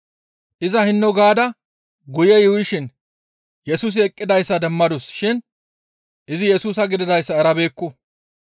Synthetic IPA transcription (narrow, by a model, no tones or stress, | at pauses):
ʔɪzɐhɪnːɔɡaːd̪ɐ | ɡʊjɛjʊwɪʃɪn | jɛsuːs̬ɪɛkʼːɪd̪ɐjsːɐd̪ɛmːɐd̪ʊsʃɪn | ʔɪzɪjɛsuːs̬ɐɡɪd̪ɪd̪ɐjsːɐːɾɐbe̞ːkːʊ